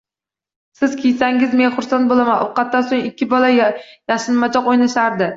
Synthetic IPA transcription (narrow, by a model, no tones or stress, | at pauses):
sɪz̥kʲʰejsɛŋɡʲɪzmeŋʲχʊɾsɑnt̪bolˠɨmɑʔuqɑt̪ːɑsoŋikʲːibɑlˠɑjjɑχʃɨlmɑt͡ʃʰɑqojnɑʃɑɾd̪ɨ